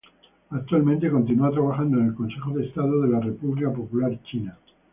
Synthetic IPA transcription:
ak̚t̪walmẽnt̪e̞ko̞nt̪inuat̪ɾaβaxand̪oene̞lkõ̞nse̞xoðe̞ːst̪aðoðe̞lare̞puβlikapo̞pulaɾt͡ʃina

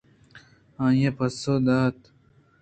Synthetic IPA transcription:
ãːjepɐsod̪aːt̪

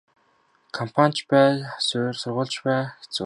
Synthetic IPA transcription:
kʰɔmpʰan̥ʲt͡ɕpæːsʊːrsʊrʁʊːɮt͡ɕpæːxe̥t͡su

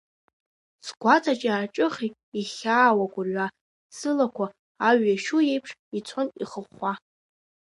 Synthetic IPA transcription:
sɡʷat͡sʰat͡ʃʼaːʈ͡ʂʼɨχʲi | iχʲaːwakʷʼʊrɥʷa | sɨlakʷʰaː | ɥːaʃuje̞jpʰʂit͡sʷʰonḭχəχa

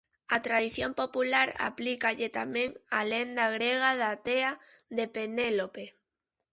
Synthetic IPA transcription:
at̪ɾaðiθjompopulaɾa̰plikaʎɪt̪amẽŋalend̪aɣɾeɣ̞aðat̪eaðepenelope

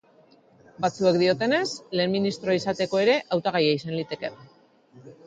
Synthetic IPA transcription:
bat͡sue̞kd̪io̞t̪e̞ne̞sle̞ːnminist̪ɾoaisat̪e̞ko̞e̞ɾe̞ʔawt̪aɣ̞ajaisanlit̪e̞ke̞

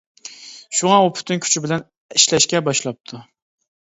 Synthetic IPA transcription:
ʃuŋɑopʰy̥t̪ɪŋkʲʰy̥t͡ʃʰɪbɪlɛn | iʃlæʃkʲɛbɑʃlˠɑp̚t̪ʰʊ

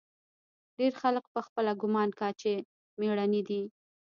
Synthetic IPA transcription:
ɖeɾxalək̚pəxpəlaɡʊmɑnkɑt͡ʃe | meɽanid̪i

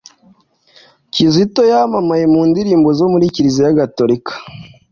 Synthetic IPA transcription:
cizito̞jamamajemuːndiɾiːmbo̞zomuɾiciɾizejaɡatoɾikḁ

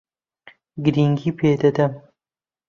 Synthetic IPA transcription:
ɡɨɾiːŋɡiːpʰeːd̪ɐd̪ɐm

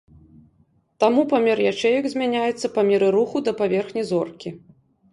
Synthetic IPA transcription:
t̪amupamʲɛɾjat͡ʂɛjɐɡzʲmʲanʲajɛt̪sːɐpamʲɛɾɨɾuxud̪ɐpavʲɛrxnʲizɔrkʲi

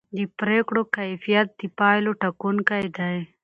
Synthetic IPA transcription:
d̪ipɾeːkɽokajfijɐt̪̚d̪̥ipaːjloʈɐkunkajd̪aj

